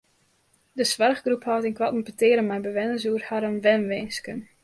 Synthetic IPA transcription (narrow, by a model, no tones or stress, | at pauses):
dəsʋarχɡruphɔwtɪnkwatm̩pətɪːɾənmɛjbəʋɛnəsuərhaɾənʋɛnʋɪːnskən